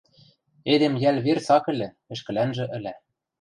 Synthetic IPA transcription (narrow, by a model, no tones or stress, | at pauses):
ed̪emjælβert͡sɑkɘ̆lʲɘ̆ | ɘ̆ʃkɘ̆lænʒɘ̆ʔɘ̆læ